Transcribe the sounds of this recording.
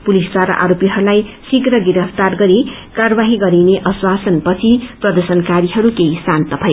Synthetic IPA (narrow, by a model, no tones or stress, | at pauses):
pulisd̪waɾʌ̰ʔa̰ɾopiɦʌɾulajsikrʌɡiɾʌpʰt̪arɡʌɾi | karʌbaɦiɡʌɾineʔʌswasʌnpʌt͡sʰiprʌd̪ʌrsʌnkaɾiɦʌɾukeisant̪ʌpʰʌj